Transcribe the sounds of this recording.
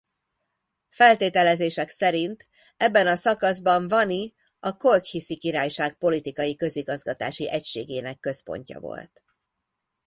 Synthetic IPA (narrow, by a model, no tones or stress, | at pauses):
fɛlt̪eːt̪ɛlɛzeːʃɛksɛɾint̪ | ɛbːɛnɒsɒkɒzbɒɱvɒni | ɒko̞lkhisikiɾaːjʃaːk̚po̞lit̪ikɒjikø̞ziɡɒzɡɒt̪a̰ːʃiʔɛcʃeːɡeːnɛkːø̞spo̞̰ɲcɒ̰vo̞̰lt̪